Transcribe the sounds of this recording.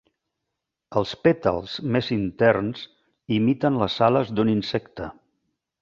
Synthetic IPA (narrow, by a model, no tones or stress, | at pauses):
əlˠspet̪ə̰lˠzmezint̪ɛrnz̥ | imit̪ənləsaləzd̪uninsɛkt̪ə